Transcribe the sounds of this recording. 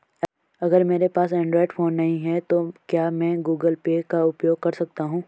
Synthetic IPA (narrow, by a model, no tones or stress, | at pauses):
ɐɡəɾmeːɾepaːsɛ̃ːɳɖɾɔːɪɖfʰoːnːɐɦĩɦɛt̪okjaːmɛ̃ɡuːɡəlpeːkaʊpjoːɡ̚kɐɾsɐk̚t̪aɦũː